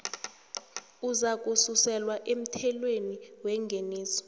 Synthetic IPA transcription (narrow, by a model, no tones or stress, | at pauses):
uzak̬ʼususɛlwaʔem̩tʰɛlweniwɛŋɡʱeniːsɔ̥